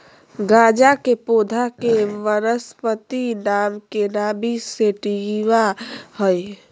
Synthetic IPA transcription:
ɡad͡ʒakepoːd̪ʱakeʋəɾəspət̪inaːmkenabʱiseʈiʋahəj

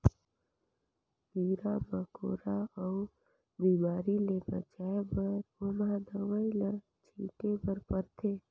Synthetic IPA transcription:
biːɾabəko̰ːɾaɔʊ | biːmaːɾilebə̰t͡ʃaːebəɾomad̪əwəilə | t͡ʃʰiːʈebəɾpəɾt̪ʰeː

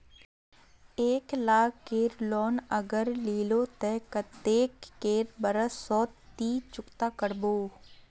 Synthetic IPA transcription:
eːklaːkkeːɾlɔːnəɡəɾliːloːt̪ɛːkət̪eːkːeːɾbəɾəsɔːt̪ːiːt͡ʃʊkt̪aːkəɾboː

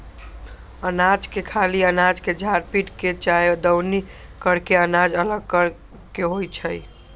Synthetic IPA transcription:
ənad͡ʒkekʰaliənad͡ʒked͡ʒʱaɾpiʈket͡ʃajod̪əwni | kəɽkeənad͡ʒələɡ̚kəɾ | keɦojt͡ʃʰəj

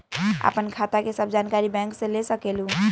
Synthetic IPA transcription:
a̰pənkʰat̪akesəbʱd͡ʒankaɾibɛ̃ŋksẽlesəkelũ

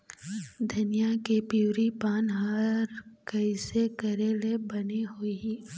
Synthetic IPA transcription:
d̪ʱɐnijakepiːɾipaːnɦaːɾkɐɪsekɐɾeːlebɐneɦoiɦiː

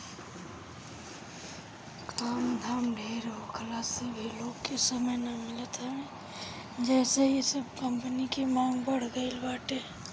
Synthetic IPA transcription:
kʰaːmd̪ʱaːmɖʱeːɾɦokʰəlaːsibʱiloːɡkesəməjnɐmɪlət̪ɛmẽ | d͡ʒɛːsejesəb̚kəmpənikimãːŋɡbəɽ̤ɡəɪlbaːʈeː

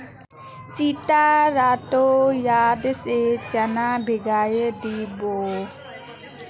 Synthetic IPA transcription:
siʈaɾatojad̪eset͡ʃənabʱeɡajəd̪ibo

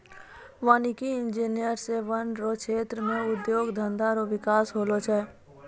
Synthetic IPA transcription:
ʋaːnikiɪ̃nd͡ʒiːnijəɾseʋənɖɾokʃʰeːt̪ɾəmẽʊd̪joːɡd̪ʱə̃nd̪aɾoʋɪkaːsɦoːlot͡ʃʰɛː

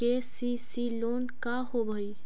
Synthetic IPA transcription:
esisiloːnkaɦobʱəi

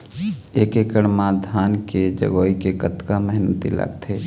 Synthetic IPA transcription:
eːkeːkəɽmãd̪ʱaːnked͡ʒə̰ɡoːikekət̪kamɛɦnət̪ḭlə̰ɡt̪ʰeː

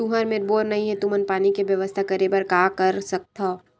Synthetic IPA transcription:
uɦɐɾmeɾboːɾnɐɦĩɦɛt̪umənpaːnikeʋjɐʋəst̪ʰakɐɾebəɾkaːkɐɾsɐk̚t̪ʰa

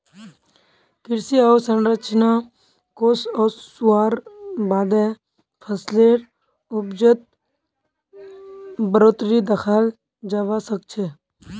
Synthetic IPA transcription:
kɪɾsiaːsənɾət͡ʃʰna | koːsɔːsuaːɾbaːd̪ɛ | pʰəsleːɾ | ʊbd͡ʒət̪̚ | bəɾoːt̪ɾid̪əxʰaːl | d͡ʒaʋasək̚t͡ʃʰeː

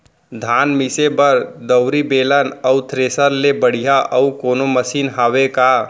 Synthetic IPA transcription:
d̪ʱaːnmisebəɾd̪əʊɾibeːlənəʊt̪ʰɾesəɾlebəɽ̤ijaʔəukoːnoməsiːnɦaːʋeka

